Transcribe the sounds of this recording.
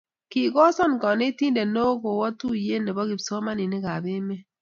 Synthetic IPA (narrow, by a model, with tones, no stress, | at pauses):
ki˨ɡɔ˦sɔ˦˨n˨kɔ˨ne˦ti˦nde˨no˦ɡo˨wɔ˦tu˦˨je˦ne˨bɔ˦ɡi˨bso˦ma˦ni˨ni˦ɡa˨bɪ˦me˦